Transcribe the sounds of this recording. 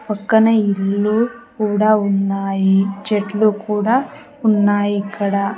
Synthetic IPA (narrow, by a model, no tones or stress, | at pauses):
pɐkːɐnɐilːukuːɽaːunːaːjid͡ʒeʈlukuːɽaː | unːaːjiːkːɐɽaː